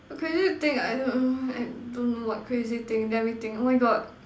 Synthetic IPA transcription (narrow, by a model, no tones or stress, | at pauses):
kʰɹezit̪ɪ̃ŋkajdõnajdõnːowɔt̚kʰɹezit̪ɪ̃ŋdɛmit̪ɪ̃ŋomajɡɔt̚